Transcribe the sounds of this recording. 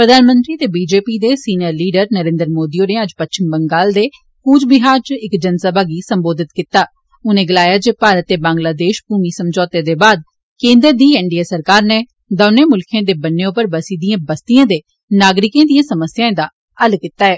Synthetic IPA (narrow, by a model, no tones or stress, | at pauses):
pɾəd̪aːnmə̃nt̪ɾiːt̪eːbiːd͡ʒeːpiːd̪eːsiːnəɾliːɖəɾnəɾẽːnd̪əɾmoːd̪ioːneːəd͡ʒpətʃɪmbəŋɡaːld̪eː | kuːt͡ʃbɪɦaːɾt͡ʃɪkd͡ʒənsəbaːɡiːsəmboːd̪ɪt̪kit̪aː | ʊnẽːɡəlaːjaːd͡ʒeːpaːɾət̪ːeːbãːŋɡlaːd̪eːʃpuːmiːsəmd͡ʒɔːt̪eːd̪eːbaːd̪ | kẽːnd̪əɾd̪iːɛːɳɖijaːsəɾkaːɾneː | d̪ɔːneːmʊlkʰẽːd̪eːbənːeːʊpəɾbəsiːd̪ijãːbəst̪ijãːd̪eː | naːɡɾɪkẽːd̪ijãːsəməsɪjãːẽd̪aː | əlkit̪ːaːɛː